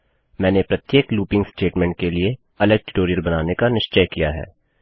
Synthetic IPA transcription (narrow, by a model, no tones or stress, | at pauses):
mɛ̃ːnepɾɐt̪jeːkluːpɪ̃ŋɡsʈeːʈmɛ̃ːɳʈ̚kelie | ɐləɡ̚ʈɪʈoːɾijəɾbɐnaːnekanɪʃt͡ʃəjkija̰ɦɛ̰ː